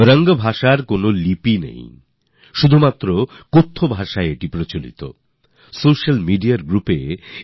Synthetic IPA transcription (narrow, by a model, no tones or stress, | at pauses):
ɾəŋɡobʱaʃaɾkonolipinḛ̃j | ʃud̪ʱumat̪ːɾokot̪ʰːobʱaʃaeʈipɾot͡ɕolḭt̪o̰ | soʃalmiɖiaɾɡɾupḛ